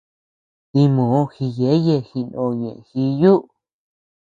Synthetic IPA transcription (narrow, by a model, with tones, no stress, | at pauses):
t̪i˧mõː˨˦˧xi˧je˨˦je˧˨xi˧nõ˧ɲḛ̃˨ʔxi˧ju˦ʔ